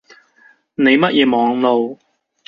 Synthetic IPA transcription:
ne˨˧jmɐ˥t̚jʔɛː˨˧mɔː˨˧ŋlo˨˧w

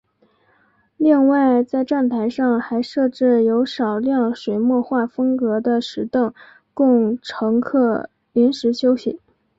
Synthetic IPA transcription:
li˥˧ŋwa˥˩˧ɪt͡sa˥˧ɪʈ͡ʂa˥˩nt̪ʰa˧˥ɪʂɑ˥˧ŋxa˧˥ɪʂɤ˥˧ʈ͡ʂɻ̩˥˩jo˧˥ʊʂɑ˨˩ʊljɑ˥˩ŋʂwe˨˩ɪmwɔ˥˧xwa˥˩fɤ˥ŋkɤ˧˥d̪ə˧ʂɻ̩˧˥t̪ɤ˥˩ŋ | kʊ˥˩ŋʈ͡ʂʰɤ˧˥ŋkʰɤ˥˩ | li˧˥nʂɻ̩˧˥ɕjo˥ʊɕḭ˨˩˦

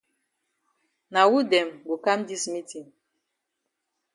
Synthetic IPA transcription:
na˨wu˦dɛ˨mɡo˨ka˦mdi˦smi˦ti˨ŋ

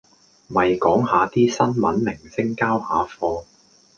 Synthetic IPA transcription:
mɐ˨jkɔː˨˥ŋhaː˨˧t̪iː˥sɐ˥nmɐ̰˨˥nmɪ˨˩ŋsɪ˥ŋkaː˥whaː˨˥fɔː˧

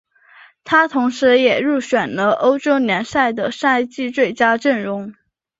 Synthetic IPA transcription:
t̪ʰa˥t̪ʰʊ˧˥ŋʂɻ̩˧˥jɛ˨˩ɻu˥˩ɕɥɛ˨˩nlə˦ʔo˥ʊʈ͡ʂo˥ʊnjɛ˧˥nsa˥˩ɪd̪ə˩ʂa˥˧ɪt͡ɕi˥˧t͡swe˥˩ɪt͡ɕja˥ʈ͡ʂə˥˩nɻʊ˧˥ŋ

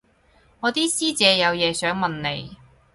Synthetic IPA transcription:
ŋɔː˨˧t̪iː˥siː˥t͡sɛː˨˧jɐ˨˧wjɛː˨˧sœː˨˥ŋmɐ˨nne˨˧j

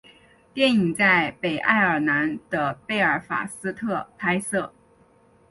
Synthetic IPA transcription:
t̪jɛ˥˩ni˨˩ŋt͡sa˥˩ɪpe˨˩ɪʔa̰˥˩ɪə˞˨˩na˧˥nd̪̥ə˧pe˥˩ɪə˞˨˩˥fa̰˨˩sɹ̩˥t̪ʰɤ˥˩pʰa˥ɪsɤ˥˩

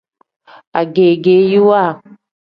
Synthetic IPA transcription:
a˨ɡe˨ɡe˨ju˦wa˦˨

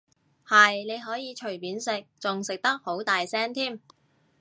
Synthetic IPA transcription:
hɐ˨jne˨˧jɦɔː˨˥jiː˨˧t͡ʃʰɵ˨˩ɥpiː˨˥nsɪ˨k̚t͡sʊ˨ŋsɪ˨k̚t̪ɐ˥k̚ho˨˥wt̪aː˨jsɛː˥nt̪ʰiː˥˩m

